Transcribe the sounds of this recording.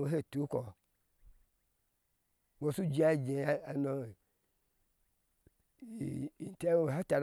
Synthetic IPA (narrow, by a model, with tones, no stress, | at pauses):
wo˨˦ɦe˦˨tu˨˦kɔ˨ | wo˨su˦d͡ʒi˦a˦˨d͡ʒe˨˦a˨no˨ | n̩˨te˦o˨a˦ta˨ɾ